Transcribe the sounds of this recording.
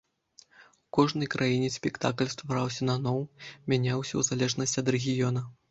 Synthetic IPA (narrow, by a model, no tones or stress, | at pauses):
ukɔʐnɐjkɾʔajinʲɛsʲpʲɛkt̪aklʲst̪vaɾawsʲɐnɐnɔwmʲanʲawsʲɐwzalʲɛʐnɐsʲtʲɐd̪rɛɣʲijɔnɐ